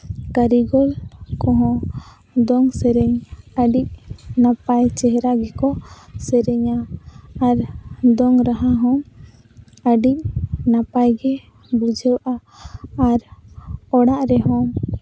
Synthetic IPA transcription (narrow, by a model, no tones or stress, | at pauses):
kaɾiɡɔlkɔɦɔ̃ | d̪ɔŋsɛɾɛɲəɖic̚napajt͡ʃɛɦɾaɡɛkɔsɛɾɛɲaː | ɾd̪ɔŋɾaɦaɦɔ̃m | əɖic̚napajɡɛ | bud͡ʒʱəwʔaː | ɾ | ɔɽaʔɾɛɦɔ̃m